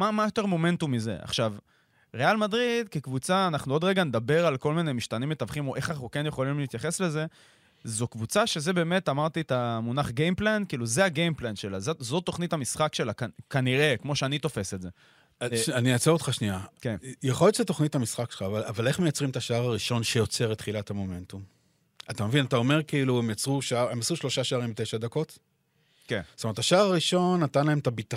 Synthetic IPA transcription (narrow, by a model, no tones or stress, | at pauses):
mamajo̞t̪e̞ʁmo̞me̞ntumːize̞̰ʔa̰χʃav | ʁealmadʁid̪kekvut͡saːnaχnuo̞dʁe̞ɡaned̪abe̞ʁalko̞lmine̞miʃt̪animjet̪avχimo̞ʔe̞χanaχukenjeχo̞limliːt̪jaχe̞sle̞ze̞ | zokvut͡saʃe̞ze̞be̞ːme̞t̪amaʁt̪it̪amunaχɡejmplenkiːluzeaɡejmplanʃe̞lazozot̪oχnitamisχakʃe̞lakakaniʁe̞kmo̞ʃeanit̪o̞fe̞seze̞ | aniat͡seʁotχaʃniakenjaχo̞ljott͡ʃzet̪o̞χnithamisχakʃelχaːvalavaleχmejat͡sʁimt̪aʃaaʁaʁiʃo̞nʃejo̞t͡se̞ʁet̪χilatamo̞me̞nt̪um | at̪amevinat̪ao̞me̞ʁkiiluemjat͡sʁuʃaaʁe̞masuʃlo̞ʃaʃaaːʁimbt̪ejʃadako̞t̪ | kenstometʰaʃaːʁaʁiʃo̞nːat̪anlaemt̪abit̪a